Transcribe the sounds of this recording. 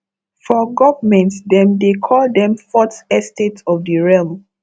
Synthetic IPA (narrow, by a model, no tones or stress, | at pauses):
fɔɡɔvəmɛ̃ntdɛ̃mdekʰɔldɛ̃mfɔtɛstetɔfdəɹɛlm